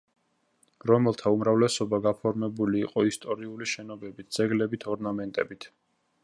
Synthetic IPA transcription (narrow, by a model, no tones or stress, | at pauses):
ɾɔmɛlˠt̪ʰaumɾavlɛsɔbaɡapʰɔɾmɛbuliːqʼɔist̪ʼɔɾiuliʃɛnɔbɛbit̪̚ʰd̪z̥ɛɡlɛbit̪ʰɔɾnamɛnt̪ʼɛbit̪ʰ